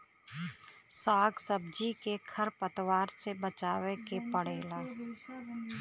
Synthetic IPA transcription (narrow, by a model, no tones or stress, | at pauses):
saːɡsəb̚d͡ʒikekʰəɾpət̪waːɾsebət͡ʃaːʋekepəɽeːlaː